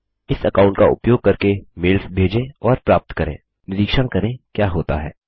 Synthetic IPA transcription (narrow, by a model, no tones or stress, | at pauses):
ɪsɐkãːʊ̃ɳʈ̚kaʊ̰pjoːɡ̚kɐɾkemɪlfbʱeːd͡ʒẽɔːɾpɾaːp̚t̪kɐɾḛ̃ː | nɪɾiːkʃəɽkɐɾẽkjaːɦoːt̪a̰ɦɛː